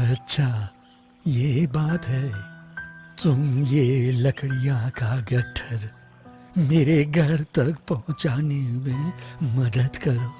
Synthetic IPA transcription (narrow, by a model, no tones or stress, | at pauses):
ɐtːʃʰaː | jebaːt̪ɦɛː | t̪ʊmjelɐkɽijãkaɡɐʈʰəɾ | meːɾeɡʱɐɾt̪ɐkpɔɦʊ̃t͡ʃaːnemẽmɐd̪əd̪kɐɾoː